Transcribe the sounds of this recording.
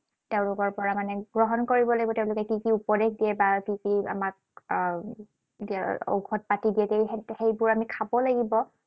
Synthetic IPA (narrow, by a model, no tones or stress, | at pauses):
teʊ̃lʊkɔɹpɔɹamanɛɡ̥ɹɔɦɔnkoɹibɔlaɡibɔteʊ̃lʊkɛkikiupɔdexdijɛbakikia̰mak̚ | diao̰kʰɔt̚patidiɛtehejbʊɹamikʰabɔlaɡibɔ